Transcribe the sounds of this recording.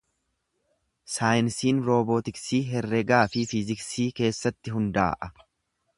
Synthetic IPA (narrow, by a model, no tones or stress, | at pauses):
saːjɪnsiːnɾoːboːt̪ɪksiːɦɛrːɛɡaːfɪfɪzɪksiːke̞ːsːɐt̪ːɪɦʊnd̪a̰ːʔɐ